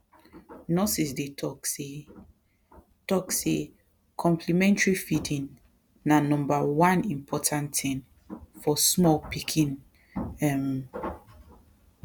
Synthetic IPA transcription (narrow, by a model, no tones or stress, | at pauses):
nɔsisdetʰɔke | tɔkse | kʰɔ̃mpʰlimɛ̃ntɹifidĩnː | anɔ̃mbawãnĩmpʰɔtʰãntʰɛ̃n | fɔsmɔlpikʰĩn | ɛm